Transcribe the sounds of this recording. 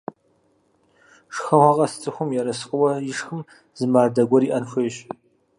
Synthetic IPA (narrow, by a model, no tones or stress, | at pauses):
ʂxɐʁɐqʼɐsɨ̥t͡sʰʼɨxʷʊmjɛɾɐsɨ̥qʼəwɐjɪʂxɨm | zɨmaːrdɐɡʷɔɾiːʔɐnxʷeːɕ